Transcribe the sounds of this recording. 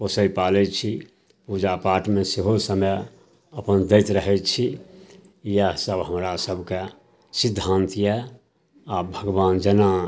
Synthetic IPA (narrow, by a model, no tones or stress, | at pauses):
posəipalɛt͡ʃʰi | pud͡ʒapaɾʈmẽseɦosəməj | əpənd̪ɛɪt̪ɾəɦɛt͡ʃʰi | jəsəbɦəmɾasəbʱke | sid̪ʱːãnt̪je | abʱəɡʋaːnd͡ʒəna